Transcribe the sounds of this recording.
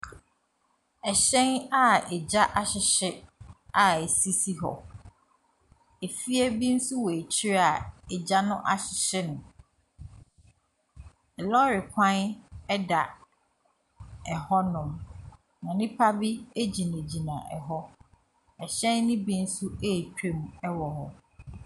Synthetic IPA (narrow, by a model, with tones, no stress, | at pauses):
ɛ˨ɕɛ̃˦na˦ɛ˨d͡ʑa˦ʔa˦ɕɪ˨ɕɪ˦a˨e˨si˦si˦ɦɔ̰˨ | e˨fi˦ɛ˦bi˦n̩˦su˦wɔ˨e˨t͡ɕʰi˦ɾa˨ɛ˨d͡ʑa˦nʊ̃˦ʔa˨ɕɪ˨ɕɪ˦nʊ̃˨ | ɛ˨lɔ˦ɾɪ˨kʷʰã˦nɛ˦da˨ | ɛ˨hɔ˦nʊ̃˨m | nã˨nɪ̃˦pʰa˦bi˦e˦d͡ʑi˨nẽ˨d͡ʑi˨nã˨ʔɛ˨ɦɔ˦ | ɛ˨ɕɛ̃˦n˦nɪ̃˦bi˦n̩˦su˦e˦˨t͡ɕᶣe˦m˨ɛ˦wɔ˨hɔ˨